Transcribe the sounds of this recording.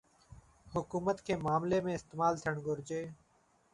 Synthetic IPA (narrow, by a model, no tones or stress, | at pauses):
hʊkuːmət̪kʰeːmaːmleːmẽːɪst̪eːmaːlt̪ʰijəɳɡʱʊɾd͡ʒeː